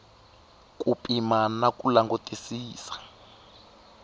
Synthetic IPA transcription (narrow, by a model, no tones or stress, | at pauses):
kupʼimanakʼulaŋɡutʼisiːsḁ